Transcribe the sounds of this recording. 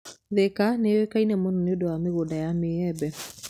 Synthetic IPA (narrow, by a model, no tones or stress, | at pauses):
ðekanewekainɛmononeodowameɣodajameɛbɛ